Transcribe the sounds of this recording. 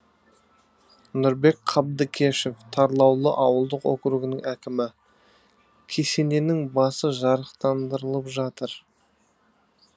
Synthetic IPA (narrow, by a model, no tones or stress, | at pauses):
nʊɾbe̞k̚qʰɑb̚d̪əkʲʰeʃeft̪ʰɑɾlˠɑwlˠəʔɑwəlˠd̪əqo̰kɾuɡɪnɪŋækʲɪmɪ | kʲʰe̞se̞ne̞nɪŋbɑsəʒɑɾəqt̪ɑnd̪əɾəlˠəpʒɑt̪əɾ